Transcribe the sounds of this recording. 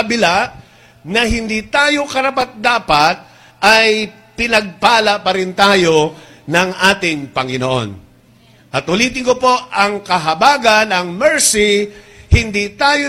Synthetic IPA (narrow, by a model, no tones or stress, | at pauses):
ɐbɪlaʔ | nɐɦɪnd̪it̪aːjo̞kɐɾɐpat̪̚d̪aːpɐt̪̚ | ʔɐj | pɪnɐɡ̚paːlɐpɐɾɪnt̪aːjo̞ | nɐŋʔaːt̪ɪŋpɐŋɪnoʔo̞̰n | ʔɐt̪ʊliːt̪̬ɪŋkopo̞ɐŋkɐɦɐbaːɡɐnɐŋmɛɹsɪhɪnd̪it̪aːjo